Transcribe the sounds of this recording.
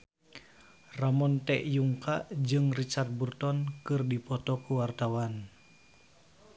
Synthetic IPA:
ramɔnt̪ɛʔjuŋkaʔd͡ʒɨŋrit͡ʃart̪̚burt̪ɔnkɨrdipɔt̪ɔkuwart̪awan

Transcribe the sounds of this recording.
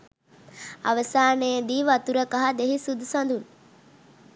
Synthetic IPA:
a̰ʋəsaːnəjəd̪iːʋat̪uɾəkaɦad̪eɦisud̪usand̪un

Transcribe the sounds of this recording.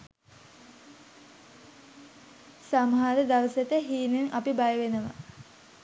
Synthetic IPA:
samɦaɾəd̪aʋəset̪əɦiːnenʔapibajəʋenəʋa̰

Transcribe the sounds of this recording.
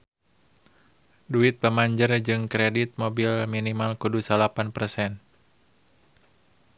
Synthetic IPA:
duit̪̚pəmaɲd͡ʒərd͡ʒɨŋkɾɛdit̪̚mobilminimalkudusalapanpərsɛn

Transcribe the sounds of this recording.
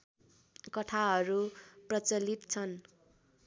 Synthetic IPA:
kʌʈʰaɦʌɾuprʌt͡sʌlit̪t͡sʰʌn

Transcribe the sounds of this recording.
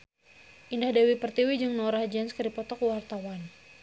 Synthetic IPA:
ʔindahdawipərt̪iwid͡ʒɨŋnɔɾahd͡ʒɛnskəɾipɔt̪ɔkwart̪awan

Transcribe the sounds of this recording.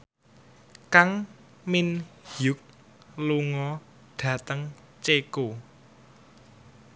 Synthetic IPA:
kaŋ | mɪnjʊk̚ | luŋɔ | ɖ̥ä̤t̪əŋ | t͡ʃeko

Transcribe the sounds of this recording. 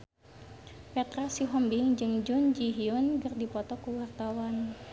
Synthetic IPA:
pɛt̪ɾasiɦɔmbiŋd͡ʒɨŋd͡ʒund͡ʒiɦiɔnɡɨrdipɔt̪ɔkuwart̪awan

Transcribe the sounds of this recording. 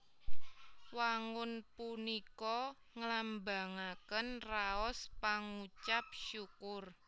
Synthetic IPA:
waŋʊnpunikɔ | ŋəlamba̤ŋakənraɔspaŋut͡ʃap̚ʃukʊr

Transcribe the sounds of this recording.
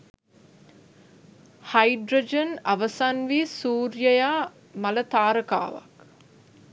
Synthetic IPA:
hajɖɾod͡ʒənɐʋəsanʋisuːɾjəjaː | mɐlət̪aːɾəka̰ːʋa̰k

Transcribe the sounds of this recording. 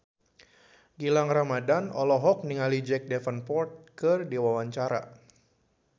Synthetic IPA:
ɡilaŋramadanɔlɔɦɔk̚niŋalid͡ʒɛk̚dɛfənpɔrt̪̚kɨrdiwawaɲt͡ʃaɾa̰

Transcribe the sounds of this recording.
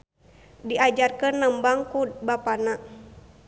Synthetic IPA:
diad͡ʒarkənːəmbaŋkubapana

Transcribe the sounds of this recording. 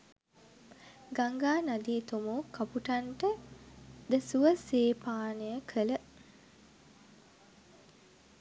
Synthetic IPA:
ɡaŋɡaːnad̪iːt̪omukɐpuʈaɳʈə | d̪əsuʋəseːpaːnəjəkʰələ

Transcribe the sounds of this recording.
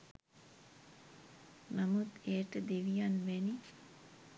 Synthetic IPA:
namut̪eːʈəd̪eʋijanʋeni

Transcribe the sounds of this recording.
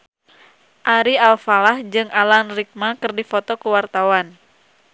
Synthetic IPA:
ʔaɾialfalahd͡ʒɨŋʔalanrik̚makɨrdifɔt̪ɔkuwart̪awan

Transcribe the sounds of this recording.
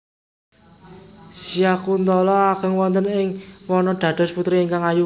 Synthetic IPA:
sijakunt̪ɔlɔakəŋwɔnt̪ənɪŋwɔnɔɖ̪̥ä̤d̪̥ɔ̤sput̪ɾiːŋkaŋaju

